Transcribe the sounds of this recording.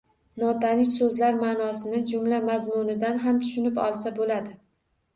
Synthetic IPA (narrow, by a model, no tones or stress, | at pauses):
nɒt̪ʰanɪsɵzlaɾmaːnɒsɪnɪd͡ʒʊmlamazmʊnɪd̪anɦamt̪ʰʊ̥ʃɪnɪpɒ̰lˠs̬abolad̪ɪ